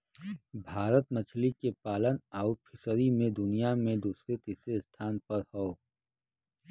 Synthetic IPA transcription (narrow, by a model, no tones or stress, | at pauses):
bʱaːɾət̪mət͡ʃʰlikepaːlənɔːpʰɪsɾimẽd̪ʊnijamẽd̪uːsɾet̪ɪsest̪ʰaːnpɐɾhoː